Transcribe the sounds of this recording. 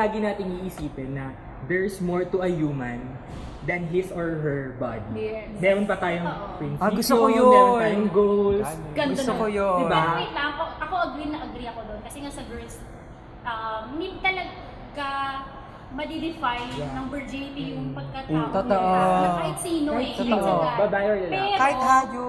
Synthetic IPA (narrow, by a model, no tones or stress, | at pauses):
laːɡɪnaːt̪ɪŋiʔɪsiːpɛnːɐ | d̪ɛɹsmoɹt̪ʊʔɐjuːmɐn | d̪ɐnɦɪsoɹɦɛɹba̰d̪ij | mɛːɾonpɐt̪aːjoŋʔpɹɪnsɡʊsoojmɛːɾonajoŋɡolsɡɐnd̪onojod̪ɪbaɪt̪lampoʔɐko̞ʔɐɡɾinɐʔɐɡɾiɐkod̪onkɐsɛŋasɐɡɛls | ʔɐmːit̪ɐlɐɡ | ɡɐ | mɐd̪id̪ɪfajnɐŋbɛɹd͡ʒit̪ijʊŋpɐɡ̚kɐt̪aʔmɐahɪt̪siːnoɛabɐb̪ajoɐpɛɾkːhad͡ʒ